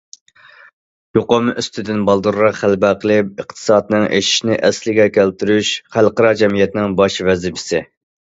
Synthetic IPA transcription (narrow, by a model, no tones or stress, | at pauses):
joqomʔyst̪ʰɪd̪ɪnbɑlˠd̪uɾʁɑχælbæqʰəlˠɪp̚əχt̪ʰɨ̥sɑːd̪ɨnɨŋʔḛʃi̥ʃnɪʔɛslɪɡʲɛkʲʰælt̪yɾyʃχælqəɾɑd͡ʒɛmijɛt̪ɪnɪŋbɑʃvɛzɪpʰɪ̥sɪ